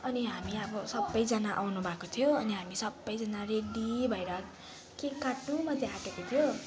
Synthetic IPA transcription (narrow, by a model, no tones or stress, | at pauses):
ʌniɦamiʌbʌsʌbːʌjd͡zʌnaʔa̰wnubʱakot̪ʰijoʌniɦamisʌbːʌjd͡zʌnareɖibʱʌjɾʌ | kekaʈnumʌd̪ʱeɦaʈekot̪ʰijo